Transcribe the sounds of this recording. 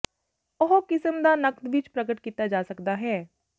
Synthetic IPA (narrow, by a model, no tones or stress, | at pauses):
ʊɦokɪsəmd̪aːnəkd̪ʋɪt͡ʃpɾəɡəʈkiːt̪aːd͡ʒaːsəkd̪aːɦɛː